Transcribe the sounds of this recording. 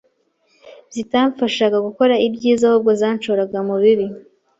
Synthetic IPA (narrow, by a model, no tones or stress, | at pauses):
bzitaːɱfaʃaɡaɡuko̞ɾaibɟiːzahob̚ɡozaːnt͡ʃoɾaɡamuβiɾi